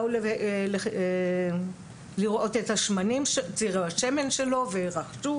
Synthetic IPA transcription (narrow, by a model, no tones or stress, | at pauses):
ulele | liʁʔo̞tethaʃmanimʃt͡siʁuhaʃe̞me̞nʃe̞lo̞veʁaχʃu